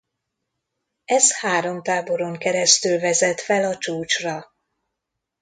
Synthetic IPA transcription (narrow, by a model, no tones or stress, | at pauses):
ɛzhaːɾo̞mt̪aːbo̞ɾo̞ŋkɛɾɛst̪ylvɛzɛt̪fɛlɒt͡ʃuːt͡ʃrɒ